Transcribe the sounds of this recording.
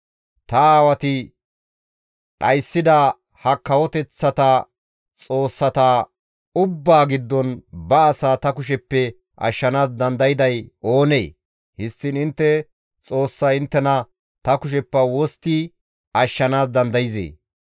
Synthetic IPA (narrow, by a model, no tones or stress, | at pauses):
t̪ɐaːwɐt̪ɪ | ɗɐjsːɪd̪a | hɐkːɐwɔt̪ɛt͡sːɐt̪ɐ | t͡sʼo̞ːsːɐt̪aː | ʊbːaːɡɪd̪ːɔnbɐːsaːt̪ɐkʊʃ̬ɛpːɛ | ʔɐ̰ʃːɐnaːsd̪ɐnd̪ɐjɪd̪ɐjo̞ːne̞̰ː | hɪst̪ːɪnɪnt̪ːɛ | t͡sʼo̞ːsːɐɪnt̪ːɛnɐ | t̪ɐkʊʃ̬ɛpːɐwɔst̪ɪ | ɐʃːɐnaːsd̪ɐnd̪ɐjɪzḛː